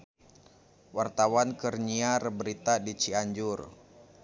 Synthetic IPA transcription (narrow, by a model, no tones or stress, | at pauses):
wart̪awankərɲiarbəɾit̪adit͡ʃiaɲd͡ʒʊr